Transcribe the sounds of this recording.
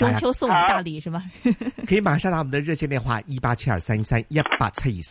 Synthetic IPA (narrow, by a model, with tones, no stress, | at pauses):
ʈ͡ʂʊ˥ŋt͡ɕʰjo˥ʊsʊ˥˩ŋwɔ˨˧˦t̪a˥˧li˥˩ʂɻ̩˥˩bɐ˨˩˧i˧˥ma˨˩ʂa˥˧ŋt̪ɑ˥˨wɔ˨˩˦d̪ə˧ɻɤ˥˧ɕʰjɛ˥˧njnxwa̰˥˧˩i˥pa˥t͡ɕʰjɛ˥nə̰˞˨˩sa˥ni˥sa˥nja˥˩pa̰˨˩t͡sʰa˥˩i˨˩s